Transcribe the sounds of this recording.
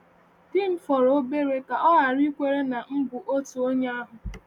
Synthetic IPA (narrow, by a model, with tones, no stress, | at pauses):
dɪ˦m̩˦fɔ˨ɾo˦be˦ɾe˦ka˨ɔ˦ɦa˨ɾi˦kʷe˦ɾe˦na˨ŋ̩˦ɡʷʊ˨ʔo˦tu˨o˦ɲe˦a˦ɦʊ˨